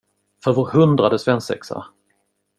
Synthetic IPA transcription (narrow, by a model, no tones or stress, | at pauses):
fœɾvʊɾhɵnd̪ɾad̪əsvɛnsɛ̰ksa̰